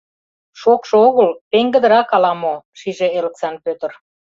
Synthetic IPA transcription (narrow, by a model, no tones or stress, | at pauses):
ʃokʃooɣəlpeŋɡə̆d̪ə̆ɾɑkɑlɑmoʃiʒeeleksɑnpøt̪ər